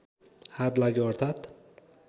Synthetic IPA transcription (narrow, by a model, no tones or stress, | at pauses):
had̪laɡʲɔɾt̪ʰat̪